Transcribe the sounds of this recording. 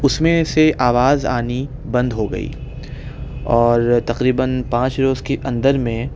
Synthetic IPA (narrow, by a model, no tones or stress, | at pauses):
ʊsmẽseʔaːʋaːza̰ːni | bɐ̃nd̪ɦoɡɐ̰ḭː | ɔːɾt̪ɐqɾiːbənpãːt͡ʃɾoːzkeʔɐ̃nd̪əɾmẽ